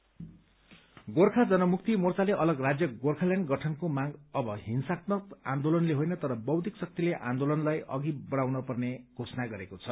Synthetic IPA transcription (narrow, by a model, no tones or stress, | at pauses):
ɡorkʰad͡zʌnʌmuk̚t̪imort͡saleʔʌlʌɡrad͡zjʌɡorkʰaljanɡʌʈʰʌnkomaɡʌbʌɦinsaknʌkã̰nd̪olʌnleɦojnʌt̪ʌɾʌbʌwd̪iksʌk̚t̪ileʔã̰nd̪olʌnlajʔʌ̰ɡibʌɽ̃awnʌpʌrneɡ̥ʱosʌnaɡʌɾekot͡sʰʌ